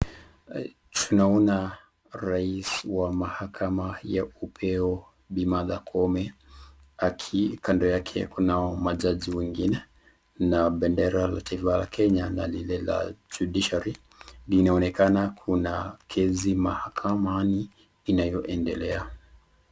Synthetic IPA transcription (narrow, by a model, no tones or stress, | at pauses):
tʰunaɔna | ɾaiswamahakʰamajaupʰɛɔ | ɓimaðakʰɔmɛ | akʰikʰandɔjakʰɛkunaɔmaʄaʄiwɛŋɡinɛ | naɓɛndɛɾala̰taifalakʰɛɲanalilɛla̰d͡ʒudiʃaɾi | linaɔnɛkanakʰunakʰɛzimahakʰamaniː | najɔʔɛndɛlɛa